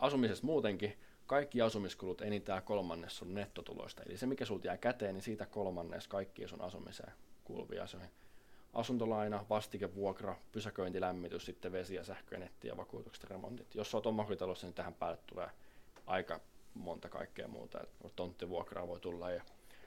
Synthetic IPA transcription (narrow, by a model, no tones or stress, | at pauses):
ʔɑsumisest̪muːt̪eŋki | kɑikːiɑsumiskulut̪enit̪æːkolmɑnːessunnet̪ːot̪ṵlo̰ist̪ɑḛlisemikæsult̪jæikæt̪eːnisiːt̪ækolmɑnːḛːskɑikːiːsṵnʔɑsumḭsḛːkṵlʋḭɑ̰seoniʔɑ̰sunt̪olɑinɑʋɑst̪ikeʋʋuokrɑpysækøint̪ilæmːit̪yssit̪ːeʋesijɑsæhkø̰ḭnet̪ːḭːjɑ̰ʋɑkṵːt̪ukse̥t̪remo̰nt̪it̪josːoːt̪omːɑhrit̪ɑlost̪ːɑnit̪æhæmpæːlːet̪tːulḛːʔɑikɑmont̪ɑkɑ̰ikːḛːmṵːt̪ɑ̰ḛt̪t̪ont̪ːiʋuokrɑ̰ːʋoit̪ulːɑjjɑ